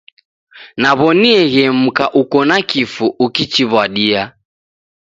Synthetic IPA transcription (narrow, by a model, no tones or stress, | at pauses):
naβɔniɛɣɛm̩kaʔukɔnakifuʔukit͡ʃiβwaɗia